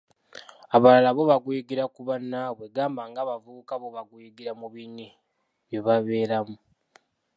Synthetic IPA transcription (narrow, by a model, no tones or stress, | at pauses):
aβalalaβo̞βaɡujiɡiɾakuβanːaβweɡaːmbaŋɡaːβavuβukaβo̞βaɡujiɡiɾamuβini | βjoβaβe̞ːɾamu